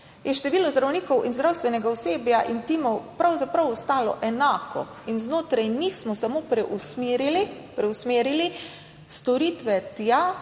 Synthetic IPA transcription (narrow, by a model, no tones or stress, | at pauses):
jɛʃt̪ɛʋiːlɔzd̪ɾawniːkɔwinzd̪ɾawst̪ʋɛnɛɡaʊseːbjaʔint̪imɔwpɾawzapɾawɔst̪aːlɔ̰ʔɛnaːkʰɔ̰ | inznoːt̪ɾajnixsmɔsamoːpɾɛʔusmiɾili | pɾɛwsmeːɾili | st̪ɔɾiːt̪ʋɛt̪ja